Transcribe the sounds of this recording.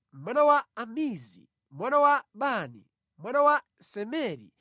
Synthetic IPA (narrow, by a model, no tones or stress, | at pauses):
m̩mwanawaamizḭ | mwanawaɓanḭ | mwanawa | sɛmɛɾḭ